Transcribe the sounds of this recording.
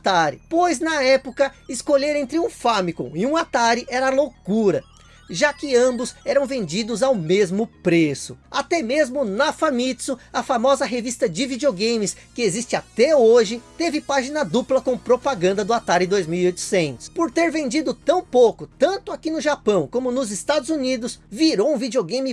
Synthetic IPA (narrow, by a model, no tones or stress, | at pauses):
at̪aɾɪ̰pojznɐɛpʊkɐɪskoʎeɾẽnt̪ɾɪũfɐmikõ̰ɪũat̪aɾɪʔɛɾɐlokuɾɐ | ʒakɪɐ̃bʊzɛɾɐ̃w̃vẽnd͡ʒid̪ʊzawmezmʊpɾesʊat̪ɛmezmʊnɐfɐmit̪sʊɐfamɔzɐɦevist̪ɐd͡ʒɪvid͡ʒioɡẽjmɪskɪezist͡ʃɪat̪ɛoʒɪt̪evɪpaʒinɐd̪uplɐkõw̃pɾopaɡɐ̃nd̪ɐd̪ʊat̪aɾɪd̪ojzmiwiojt̪ʊ̥sẽnt̪ʊ̥spoɾt̪eɾvẽnd͡ʒid̪ʊt̪ɐ̃w̃powkʊt̪ɐ̃nt̪ʊakinʊʒapɐ̃w̃kõmʊnʊzɪst̪ad̪ʊzunid̪ʊsviɾowũvid͡ʒioɡẽj̃mɪ